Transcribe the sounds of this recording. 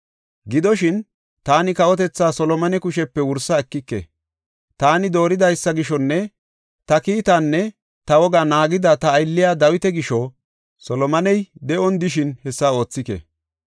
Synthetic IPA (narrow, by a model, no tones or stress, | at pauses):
ɡɪd̪ɔʃɪn | t̪aːnɪkɐʔɔt̪ɛt͡sːaːsɔlɔmɐnɛkʊʃɛpːɛwʊɾsɐɛkːɪkːɛ̰ | t̪aːnɪd̪o̞ːɾɪd̪ɐjsːɐɡɪʃɔnːɛ | t̪ɐkiːt̪anːɛ | t̪ɐwɔɡanaːɡɪd̪ɐt̪ɐːjlːɪjaːd̪ɐwɪt̪ɛɡɪʃɔ | sɔlɔmɐnɛjd̪ɛʔɔnd̪ɪʃɪnhɛsːao̞ːt͡sːɪkɛ̰